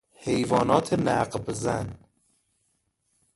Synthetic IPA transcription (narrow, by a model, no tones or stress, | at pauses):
hejvɒːnɒːt̪ʰenæ̰qbzæ̰n